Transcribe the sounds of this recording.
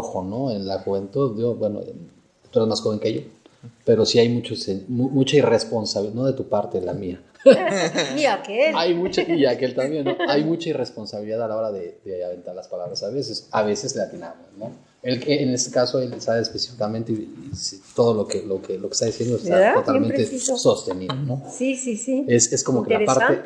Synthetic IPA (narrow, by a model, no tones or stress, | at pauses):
oxo̞no̞enlaxuβe̞nt̪uðjobwe̞no̰e | t̪ueɾezmasxo̞βe̞ŋkeʝope̞ɾo̞siajmut͡ʃoseumut͡ʃairespo̞nsaβino̞ðe̞t̪upaɾt̪e̞la̰mia | niakelajmut͡ʃaiake̞lt̪ambje̞nːoajmut͡ʃaire̞spo̞nsaβiliðaðalao̞ɾaðe̞ðeaβe̞nt̪aɾlaspalaβɾasaβe̞s̬e̞saβe̞se̞slat̪ina̰mosno̞ | elkeːne̞st̪ekasoelsaβeːsplesi̥fikament̪eiisit̪oðolo̞kelokeloke̥st̪aðisje̞nd̪oest̪aot̪almenɾeso̞st̪e̞niðono̞sisisiesesko̞mokelapaɾt̪e